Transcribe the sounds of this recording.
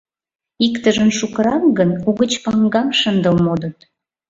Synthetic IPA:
ikt̪əʒənʃukəɾɑmɡənuɣət͡ɕpɑŋɡɑmʃənd̪əlmod̪ət̪

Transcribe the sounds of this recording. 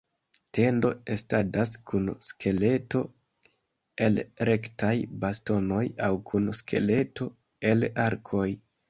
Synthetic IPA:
te̞ndo̞estadaskʰunskʰe̞le̞to̞ | e̞lɾe̞ktajbasto̞no̞jawkʰunskʰe̞̰le̞to̞ | e̞laɾkʰo̞j

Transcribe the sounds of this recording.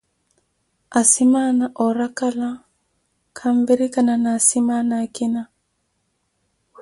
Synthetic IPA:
asimanaʔɔɾakala | kʰambɛɾikananasimanakina

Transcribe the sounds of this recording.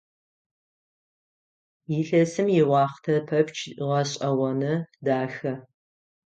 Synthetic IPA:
jɪɬɐsɨmjɪwɑːχtʰɐpʰɐpt͡ʃʰʁɐɕʼɐwɐnɨdaːxɐ

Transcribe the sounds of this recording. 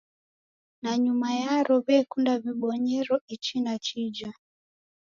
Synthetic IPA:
naɲumajaɾɔβɛkundaβiɓɔɲɛɾɔit͡ʃinat͡ʃid͡ʒa

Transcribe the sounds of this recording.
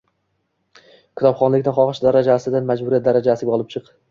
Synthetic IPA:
kʲʰʊ̥t̪ʰɒpχɒnlɪkʲnɪnχɒχɨʃd̪aɾad͡ʒasɪd̪anmad͡ʒbʊɾiat̪̚d̪aɾad͡ʒasɪɡʲaɒlˠɪp̚t͡ʃʰɨq

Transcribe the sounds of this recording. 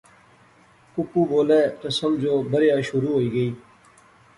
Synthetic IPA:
kʊpuːboːleːt̪əsəmd͡ʒoːbəɾjaːʃʊɾuːɦoːiːɡəiː

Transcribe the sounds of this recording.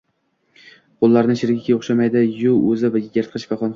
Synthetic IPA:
qʰolˠːaɾnɪʃɪɾɡʲɪkʲoχʃamajd̪ɪjʊɵzɪvajʲɪɡʲaɾt̪qʰɨʃvaχɒnχ

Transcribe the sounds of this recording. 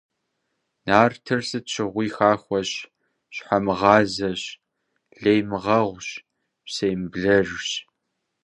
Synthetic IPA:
naːrtʰɨrsɨtɕʰɪʁʷiːxaːxʷɔɕ | ɕħamɨʁɑːzɐɕ | ɮejmɨʁɐʁʷɕ | sejmbɮɐʒɕ

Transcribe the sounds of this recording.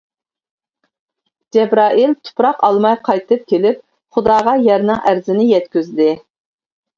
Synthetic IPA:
d͡ʒɛbɾɑːʔilt̪ʰʊ̥pɾɑqɑlˠmɑjqʰɑjt̪ɨp̚kʲʰelɪp̚ | χʊd̪ɑːʁɑjæɾnɪŋʔæɾzɪnɪjɛt̪kʲyzd̪ɪ

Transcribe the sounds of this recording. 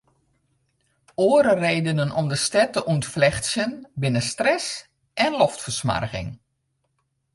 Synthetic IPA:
oːəɾəreːdənənɔmdəstɛtəʔuntflɛxtsjənbɪnəstrɛs | ʔɛnlɔftfərsma̰rɣɪ̰ŋ

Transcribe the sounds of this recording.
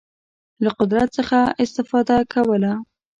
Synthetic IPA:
laqʊd̪ɾat̪səxaɪst̪ɪfɑd̪akʰawəla

